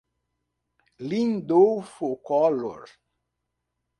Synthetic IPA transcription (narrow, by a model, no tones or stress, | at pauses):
lĩnd̪owfokɔlo̰ɾ